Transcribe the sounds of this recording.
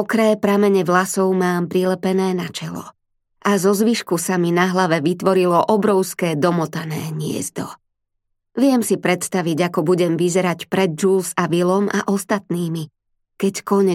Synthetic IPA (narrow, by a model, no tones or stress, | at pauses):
ɔkɾɛːpɾamɛɲɛʋlasɔʊmaːmpɾilɛpɛnɛːnat͡ʃɛlɔ̰ | ʔazɔzʋiʃkusaminaɦlaʋɛʋit̪ʋɔɾilɔʔɔbɾɔʊskɛːd̪ɔmɔt̪anɛ̰ːɲɪɛ̰zd̪ɔ | ʋɪɛmsipɾɛt̪st̪aʋiɟakɔbuɟɛmʋizɛɾacpɾɛd̪̚d͡ʒulsaʋilɔma̰ʔɔst̪at̪niːmi | kɛckɔɲɛ